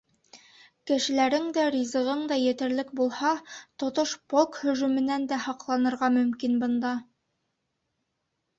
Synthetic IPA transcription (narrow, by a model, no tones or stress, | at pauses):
kɘ̆ʃɘ̆læɾɘŋd̪æɾʲizɤ̆ʁɤɴd̪ɑjɘ̆t̪ɘ̆ɾlɘkbulˠhɑt̪ŏt̪oʃpolˠkhɵ̆ʒʉmɘ̆nænd̪æhɑqlˠɑnɤ̆ɾʁɑmɵ̆mkinbɤ̆nd̪ɑ